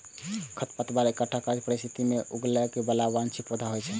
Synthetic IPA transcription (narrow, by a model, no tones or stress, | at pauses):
kʰət̪pət̪baɾekəʈʰːakad͡ʒpəɾist̪ʰit̪imeʔuɡlɛkebəlabant͡ʃʰipud̪ʱaɦojt͡ʃʰɛ